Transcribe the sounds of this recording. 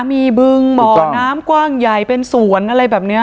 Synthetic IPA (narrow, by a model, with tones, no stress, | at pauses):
miː˧bɯ˧ŋbɔː˨˩naː˦˥mkwaː˥˩ŋja˨˩jpe˧nsu˨˩˦ənʔa˧ɾa˧jbɛː˨˩p̚nɯ˦˥ɐ